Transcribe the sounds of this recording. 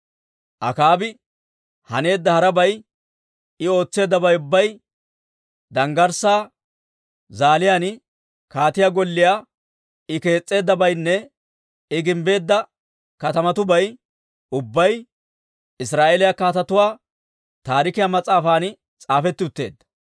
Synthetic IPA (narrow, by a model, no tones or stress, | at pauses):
ʔɐ̰kaːbɪ | hɐne̞ːd̪ːɐhɐɾɐbɐj | ɪo̞ːt͡sːe̞ːd̪ːɐbɐjʊbːɐj | d̪ɐŋɡɐɾsaː | zaːlɪjan | kaːt̪ɪjaːɡɔlːɪjaː | ɪke̞ːt͡sʼːe̞ːd̪ːɐbɐjnːɛ | ɪɡɪmbe̞ːd̪ːɐ | kɐt̪ɐmɐt̪ʊbɐj | ʊbːɐj | ɪsɾaːʔeːlɪjakaːt̪ɐt̪ʊwaː | t̪aːɾɪkɪjamɐt͡sʼːaːfaːn | t͡sʼaːfɛt̪ːɪʊt̪ːe̞̰ːd̪ːɐ̥